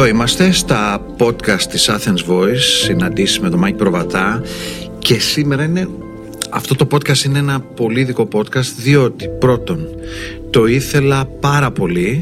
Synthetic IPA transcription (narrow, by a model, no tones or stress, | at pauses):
oimɐst̪e̞st̪ɐpo̞t̪kɐst̪ːisɐθenzvo̞isːinɐnd̪isizme̞t̪o̞mɐcipɾo̞vɐt̪ɐ | ce̞sime̞ɾɐine̞ | ɐft̪o̞t̪o̞po̞t̪kɐst̪ine̞enɐpo̞liːðiko̞po̞t̪kɐst̪ðio̞t̪i̥pɾo̞t̪o̞n | t̪o̞iθe̞lɐpɐɾɐpo̞li